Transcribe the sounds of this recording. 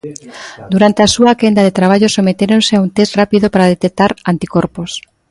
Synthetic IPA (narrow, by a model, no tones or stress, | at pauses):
d̪uɾant̪easuakend̪aðet̪ɾaβ̞aʎosomet̪eɾonseaunt̪esrapiðopaɾaðet̪ek̚t̪aɾant̪ikoɾpos